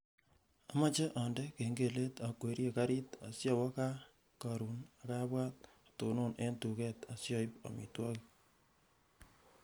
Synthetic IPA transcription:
a˨ma˦t͡ʃe˦ʔa˨ndɛ˦ke˨ŋɡe˨le˦ta˨kwe˨ɾjeka˦ɾi˦ta̰˨sjɔ˨wɔ˦ka˦ | ka˨ɾu˨na˨ka˦bwa˦t̚ | toː˨no˦nʔe˦ntu˨kɛ˦ta˨sjɔ˦ɪpa̰˨mḭ˨twɔ˦ki

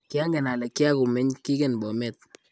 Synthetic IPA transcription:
kɪ˦a˦ŋɡe˨na˨lɛ˨kːɪ˦a˦ku˨mɛ˦ɲki˦ke˨nbɔ˨mɛ˦˨t̪̚

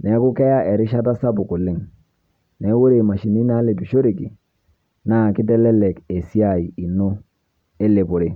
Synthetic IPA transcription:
nɛ˨˦ku˦ke˦ja˦ʔe˨ɾi˦ʃa˦ta˦sa˦bu˨ku˨lɪ˦ŋ | ne˨˦wo˦ɾe˨ma˨ʃi˨ni˦na˦le˨bi˨ʃo˦ɾi˨ki˨ | na˦˨ki˦dɛ˦le˦le˨ke˨si˦a˦˨i˨i˨no˦ | e˦le˨bo˨ɾe˨

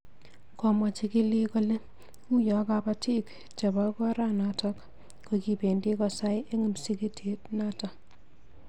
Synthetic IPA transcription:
kɔ˨mɔ˨t͡ʃi˨ki˦li˦kɔ˦le˦ | u˦jɔ˨kapa˦ti˦k | t͡ʃa˨ba˦kɔ˦ɾa˦na˨tɔ˦k | koki˨pe˨ndi˦kɔ˨sa˦jʔe˦ŋu˨msi˦ke˦tʰe˦tna˦tɔ˨

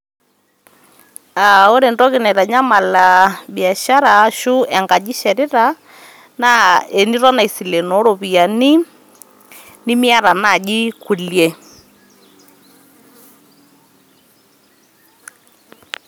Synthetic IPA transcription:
a˨o˦ɾe˨ndɔ˦ɣɪ˨nɛ˨ɾa˨ɲa˦ma˨la˨bi˨a˨ʃa˦ɾa˨˦ʃu˦ɛ˨ŋɡa˨d͡ʒi˦ʃɛ˨ɾɪ˦ɾa˨ | na˦e˨ni˦ɾɔ˦na˨i˨si˨le˨no˨˦ɾo˨βi˨a˨ni˦ | ni˦mi˦a˦ɾa˨na˦˨ɡi˦ku˨ljɛ˦

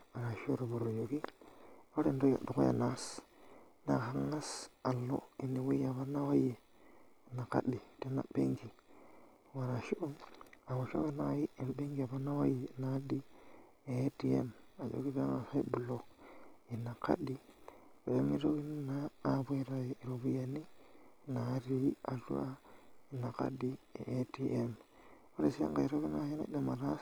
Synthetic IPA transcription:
wa˨ɾa˨ʃi˦o˦ɾo˨bu˨ɾo˨jo˨ki˦ | o˦ɾe˨ndo˦jo̰˨do˨ko̰˦a̰˨na˦s | na˨xa˦ŋa˦sa˨lːo̰˦i˨ni˨wu˦ja˨βa˦na˦wa˦je˨ | na˨ka̰˦ɗi˨te˦na̰˨be˦ŋɡi˨ | wa˨ɾa˨ʃi˦ʔo˦a˨wa˨ʃo̰˦ke˦na˦ji˦e˨be˦ŋɡi˨a˨ba˦na˦wa˦je˨na˦di˦ | e˦ti˦ḛ˦ma˨d͡ʒo̰˦ki˦βa˦ŋa˨sa˦i˦bu˨lo˨ki˨na˨ka̰˦ɗi˦ | e˨e˦mi˦ɾo˦ɡi˦nnaː˦be˦ɾa˨ɾo˨βu˦ja˨ni˦na˨˦ɾi˦a˨ɬṵ˦ʔa˦i˨na˨ka̰˦di˦ḛ˨ʔe˦ti˦ʔe˦m | o˦ɾe˦si˦ja̰˦ŋɡa˨i˨ɾo˦ki˦na˦ji˦na̰˦ɗe˦ma˨ɾa˦

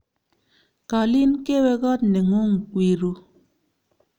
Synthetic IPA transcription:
ka˨li˦n˦ke˦we˦ɡɔ˦tne˨ŋo˦ŋ̩˨kʷi˨ɾu˦

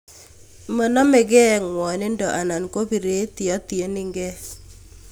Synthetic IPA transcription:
mə˨nɔ˦me˨ɡɛ˦˨ŋwɔ˨nɪ˦ndɔ˨ʔa˨na˨nko˦bi˨ɾe˦t̪i˨ɔ˦ti˨e˨˦nɪ˦ŋɡɛ˦

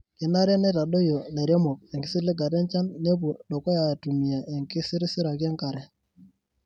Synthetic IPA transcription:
kɪ˨na˦ɾje˦nɛ˦ta˨ɗo˦jo˨le˨ɾjɔ˦mɔ˨k̚ɛ˨ŋɡɪ˦sɪ˦lɪ˦ɡa˨dɛ˦nt͡ʃa˦nːe˦pu˨ɗɔ˨kɔ˦ja˨tu˨mi˨a˨ʔe˨ŋkɪ˦sɪ˦ɾɪ˦sɪ˦ɾa˨ka˦ŋka˨ɾɛ˨

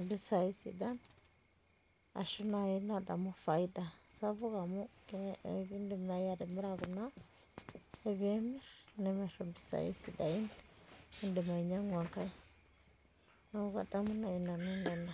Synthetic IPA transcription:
bi˦sa˨ji˦sḭ˨da˦n | a̰˨ʃu˦na˨ji˦na˨da̰˨mu˦fa˨i˦da˨sa˦vu˦ka˨mu˦ke˦ḛ˨˦bi˦nde˨m˨na˨˦ja˨de˨mi˦ɾa˨ɡu˨na˦ | e˨βi˦e˦mi˦ɾne˨me˨ɾa˨mbi˨sa̰˨jḭ˦si˨da˨ji˦n | i˦nde˨ma˨i˨ɲa˦ŋwa˨ŋka˦i˦ | na˨˦u˦ka̰˨da˦mu˦na˨i˨na˨nu˦nde˨nda˨

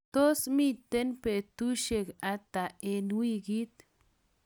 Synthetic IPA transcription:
t̪o˦smi˧t̪e˦npe˧t̪u˦ʃe˧ka˧t̪a˨e˧nwi˦˧ɡi˦t̪

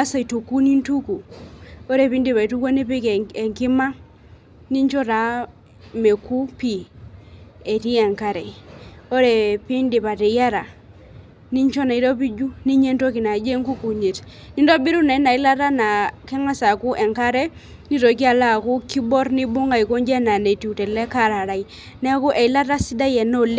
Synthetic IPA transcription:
a˦sa˨i˨to˨ku˦ni˦ntu˦ku˨o˦ɾe˨pi˦ndi˨pa˨i˨tu˦ka˦ne˦pi˦ke˨ŋkɪ˦ma˦ | ni˦ɲt͡ʃɔ˦ɾa˨˦ | me˨ku˦pi˦˨ | e˨ti˦ɛ˨ŋka˦ɾɛ˨o˦ɾe˨pi˦ndi˨pa˨te˨ja˦ɾa˨ | ni˦ɲt͡ʃɔ˦na˨i˨˦tɔ˦pi˦d͡ʒu˦ni˦ɲe˦nto˦ki˨na˨d͡ʒe˦ŋku˦ku˨ɲe˨t | ni˦ndɔ˦bi˦ɾu˦na˨i˦na˨i˦la˦ta˦na˨kɛ˦ŋa˦sa˨ku˦ʔɛ˨ŋka˦ɾɛ˦ | ni˦tɔ˨˦k̬i˦a˨la˦˨ku˦ki˦bɔ˦rni˦bʊ˦ŋa˨i˨ko˦ɲd͡ʒɛ˦na˨ne˨ti˨u˨tɛ˨lɛ˦ka˦˨ɾa˨ɾa˨i˨ | nɛ˦ku˦ʔɛ˨˦la˦ta˦si˦da˦jɛ˨no˦˨le˦

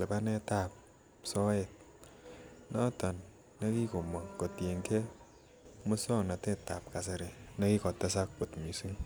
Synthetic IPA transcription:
le˨pa˦nɛ˦ta˦˨p̚ | sɔ˦e˨t̚ | nɔ˦tɔ˨nː | e˦ki˦ko˨mɔ˨ko˨tje˨ŋke˦ | mʊ˦sɔ˦ŋna˨tɛ˦ta˨p̚ka˨s̬ɪ˨ɾɪ˨ne˦ki˦kɔ˨tɛ˦s̬a˦k̚po˨tmi˨su˦ŋ

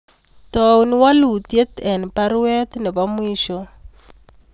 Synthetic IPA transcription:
tɔ˨u˨nwa˦lu˨tje˦tɛ˨npa˦ɾwɛ˦t̪nɛ˨βa˦mwiː˦ʃɔ˦

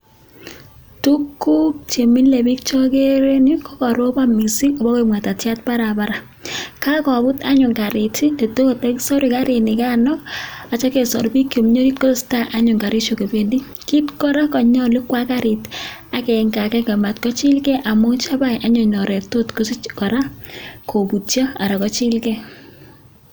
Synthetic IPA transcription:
tu˦kːu˦k̚t͡ʃe˨mi˦nle˨bi˦k̚t͡ʃɔ˦ke˦ɾe˦ni˦kɔ˦kɔ˨ɾo˦ba˦mi˨si˦ɔ˨bɔ˦ke˦mwa˨ta˨tja˦t̚pa˦ɾa˨ba˦ɾa˨ | ka˦kɔ˨bʊ˦ta̰˦ɲʊ˨ŋka˨ɾɪ˨ti˦de˨to˦ko˨tɛ˦ksɔ˦ɾi˨ka˦ɾɪ˨nɪ˨ka˦nɔ˦a˨t͡ʃa˦ke˨sɔ̰˨ɾbi˦kjo˨mɲo˦ɾi˦tko˦sta˦ʔa˦ɲʊ˨ŋɡa˨ɾi˦t͡ʃo˨ke˨bendi˦ | ki˦tkɔ˦ɾa˦kɔ˨ɲɔ˦li˦kwa˦kaɾɪ˨ta˨kɛ˨ŋɡa˨kɛ˦ŋɡɛ˨ma˨tkɔ˦t͡ʃɪ˦lkɛ˦ʔa˨mo˦t͡ʃa˦ba˦jʔa˦ɲɔ˨ɲɔ˨ɾɛ˨to˦tko˦skɔ˨ɾa˦kʰo˨bu˨tja˦a˨ɾa˨kɔ˦t͡ʃi˦lkɛ˦

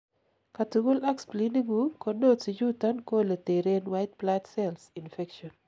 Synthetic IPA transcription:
ka˨tu˨ɡu˦lɛ˦ksplini˦ɡu˦kɔ˦do˦si˨d͡ʒu˦ta˦nko˦le˨te˨ɾe˦nwa˦jt̚platsɛlsinfɛ˦kʃɔ˨n

